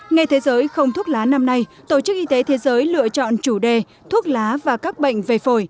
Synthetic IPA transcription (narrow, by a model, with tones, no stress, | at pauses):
ŋa˨˩jt̪ʰe˨˦zəː˨˦jxə˧wŋ͡mt̪ʰu˦˥ət̚laː˨˦na˧mna˧jt̪o˧˩t͡ɕɨ˦˥k̚ʔi˧t̪e˨˦t̪ʰe˨˦zəː˨˦jlɨ̰˧˨ət͡ɕɔ̰˧˨nt͡ɕu˧˩ɗe˨˩ | t̪ʰu˦˥ət̚laː˨˦vaː˨˩kaː˦˥k̚ɓə̰˧˨jŋ̟ve˨˩fo˧˩j